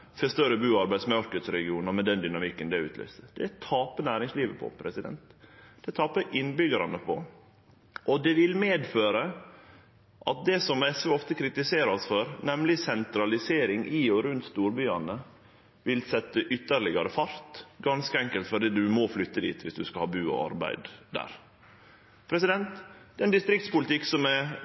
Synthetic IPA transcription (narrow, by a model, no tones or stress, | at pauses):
fɛst̪œɾəbʉːɑɾbæɪd̪smɑɾkət̪sɾɛɡɪuːnɑɾmɛnd̪ɛnd̪ʏnɑmɪkːənd̪ɛʉ̰ːt̪lœ̰ːsəd̪̥ɛt̪ʰɑːpənæːɾɪŋsliːʋəpʰɔ̰pʰɾɛsɪd̪ɛ̰nt̪d̪̥ɛt̪ʰɑːpəʔɪnbʏɡəɾɑnəpʰɔ̰ | ʔɔd̪ɛʋɪlmeːd̪føːɾə | ʔɑt̪̚d̪ɛsɔmɛsʋøɔft̪əkʰɾɪt̪ɪseːɾɔsfɔɾnɛmlɪsɛnt̪ɾɑlɪseːɾɪŋʔiːɔɾʉnt̪st̪uːɾbyːɑnə | ʋɪlsɛt̪ːəʔʏt̪ːəɾlɪɡɑɾəfɑɾt̪ɡɑnskəɛŋkəlt̪fɔɖiːd̪ʉmɔflʏt̪ːəd̪ḭːt̪ʰʋɪsd̪ʉskɑhɑːbʉːɔ̰ɑ̰ɾbæ̰ɪd̪d̪æ̰ːɾ | pʰɾɛsɪd̪ɛnt̪d̪ɛnd̪ɪst̪ɾɪkt̪spʊlɪt̪ɪkːsɔmɛ